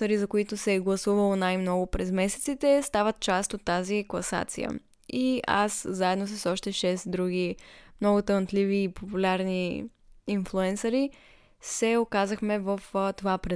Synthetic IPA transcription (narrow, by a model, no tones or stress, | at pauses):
əɾizɐkoit̪ʊsɛɡlˠɐsuvəlˠonajmnɔɡʊpɾɛzmɛsɛt̪sit̪ɛst̪avət̪̚t͡ʃast̪ot̪ːaziklˠɐsa̰t̪sḭjə̰ | ia̰szaɛd̪nosəsɔʃt̪ɛʃɛsd̪ɾuɡ̟imnɔɡʊt̪ənt̪liviːpopulʲaɾniː | nflˠuɛnsɐɾi | sɛokazəxmɛvəft̪ovapɾɛ